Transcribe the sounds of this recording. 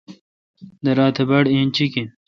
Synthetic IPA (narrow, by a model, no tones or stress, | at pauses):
d̪ɐɾaːt̪ʰebɐɽẽːnt͡ɕikin